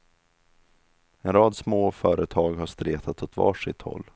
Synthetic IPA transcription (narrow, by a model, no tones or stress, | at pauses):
ɛnɾɑːd̪smoːfœːɾʔət̪ʰɑːɡhaʂt̪ɾeːt̪ʰat̪ɔt̪vɑ̰ːʂɪt̪hɔ̰lː